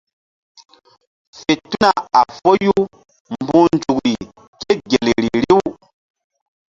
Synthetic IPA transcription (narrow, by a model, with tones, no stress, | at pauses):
fe˨tu˦na˨a˨fo˦ju˦ | mbũ˦nd͡ʒu˨kɾi˨ | ɡ̥e˦ɡe˨le˨ɾi˨ɾi˦w